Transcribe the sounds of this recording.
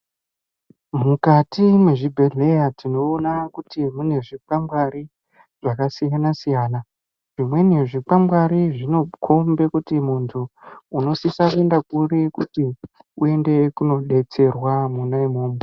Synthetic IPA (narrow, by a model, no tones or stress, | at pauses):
mukatimwe̞ʐibʱeɮe̞jatino̞ːnakutimune̞ʐik͡pamɡwaɾi | ʐ̥akasijanasijaːna | ʐ̥imwe̞neʐik͡pamɡwaɾiʐino̞kʰo̞mbe̞kutimuntʰuːno̞sisakue̞ndakurikuti | ue̞nde̞kuno̞ɗe̞t͡se̞rwamunaimoːmbo